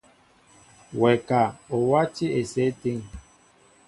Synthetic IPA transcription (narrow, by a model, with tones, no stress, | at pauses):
wɛ˨ka˨o˨wa˦ti˦e˨sɛ˦ti˦ŋ